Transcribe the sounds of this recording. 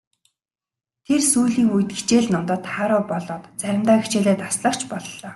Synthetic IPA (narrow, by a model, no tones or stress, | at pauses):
t̪ʰersuːɮiːŋujt̪̚ɡi̥t͡ɕeːɮnɔmt̪əːt̪χaɾʊːpɔɮɔːt̪t͡sæɾʲɪ̆mt̪aːɡit͡ɕeːɮeːt̪asɮə̆kt͡ɕʰpɔɮɔː